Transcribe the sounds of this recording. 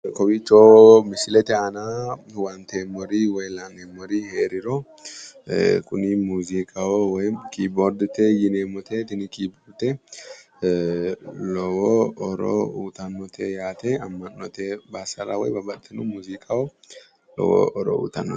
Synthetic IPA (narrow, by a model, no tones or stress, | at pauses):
kɔbit͡ʃːoːmɪsɪlɛt̪ɛɐna | wɐnt̪emːɔɾiwɔjlanemːɔɾiheːɾɪɾo | kʊnimuːzikʼawɔwɔjkiːboɾd̪t̪ɛjɪneːmɔt̪ʰet̪ɪnɪkiːboɾt̪ɛ | lɔwoɔɾo̰uːt̪ɐnːɔt̪ʰejaːt̪ɛɐmːɐnːɔt̪ebaːsɐɾa̰wɔjbɐbɐt̪ʰːɛnumuːzikʼawɔ | lɔ̰wo̰ːʔɔɾo̰ṵt̪ɐnːɔ̰